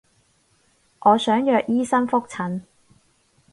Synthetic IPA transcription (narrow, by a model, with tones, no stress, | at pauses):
ʔɔː˨˧sœː˨˥ŋjœː˨˧k̚jiː˥sɐ˥nfʊ˥k̚t͡sʰɐ˨˥n